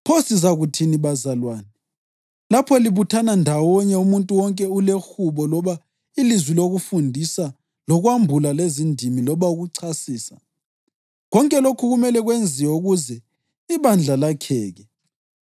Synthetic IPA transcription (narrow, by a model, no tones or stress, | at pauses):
pʰosizaɣutʰiniβazalwaːnɛ | lapʰɔliβutʰanandʱawɔɲɛumuntʼuwɔŋkʼɛulexuβɔlɔβa | ilizwiloɣufundʱisa | lɔɣwambʱulalezindʱimilɔβauɣuǀʰasiːsa̰ | ɣɔŋkʼɛlokʰuɣumɛlɛɣwend͡zʱiwɛuɣuzɛ | iβand͡ɮʱalakʰɛːɣɛ